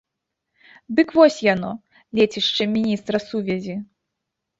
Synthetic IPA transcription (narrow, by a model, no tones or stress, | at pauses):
d̪ɨkvɔsʲjanɔ | lʲɛt͡sʲiʂt͡ʂɨmʲinʲist̪ɾɐsuvʲɛzʲi